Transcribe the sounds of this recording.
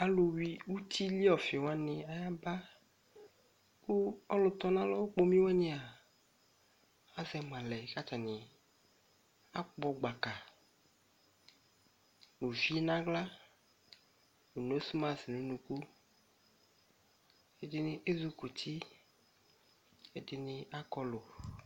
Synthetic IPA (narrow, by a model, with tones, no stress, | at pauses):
a˦lo˨wi˦wu˦t̪i˦li˦ɔ˨fe˨wa˦nẽ˨a˨ja˦ba˦ | ku˦ɔ˦lo˨t̪ɔ˦nã˦lɔ˦wo˦k͡po˦mĩ˦wɛ˦ɲẽ˦a˨ | a˦zɛ˨m˨ã˨lɛ˨ka˦ta˨nẽ˨ | a˦k͡pɔ˨ɡ͡ba˨ka˨ | nũ˨vi˦nã˦ɡla˦ | nu˨no˦su˦mã˨si˨nũ˦nũ˨ku˦ | e˦dɪ˦nɪ̃˦ʔe˦zu˦ku˨t̪ʰi˦ | e˨dɪ˦nɪ̃˦a˦kɔ˦lo˨